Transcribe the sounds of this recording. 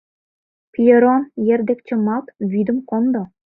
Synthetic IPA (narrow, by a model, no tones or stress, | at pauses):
pʲijĕɾonjerd̪ĕkt͡ɕə̆mɑt̪βyd̪ə̆mkond̪o